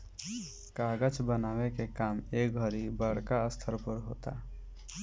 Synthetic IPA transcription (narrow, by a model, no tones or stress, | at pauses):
kaːɡət͡ʃbənaːwekekaːmeːk̚ɡʱəɾibəɽ̤kaəst̪ʰəɾpəɾɦoːt̪a̰ː